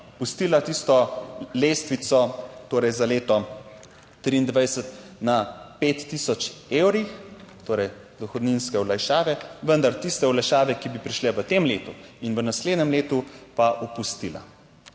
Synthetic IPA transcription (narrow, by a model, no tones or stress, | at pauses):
pust̪iːlat̪ist̪ɔleːst̪ʋit̪sɔt̪oːɾɛjzaleːt̪ɔ | t̪ɾiːnd̪ʋajsət̪napeːt̪ːiːsɔt͡ʃewɾixt̪oːɾɛj | d̪ɔxɔd̪ninskɛɔlajʃaːʋɛʋənd̪aɾt̪ist̪ɛɔlajʃaːʋɛkibipɾiʃlɛʋət̪emleːt̪uinʋənasleːd̪nɛmleːt̪upaʔupust̪iːla̰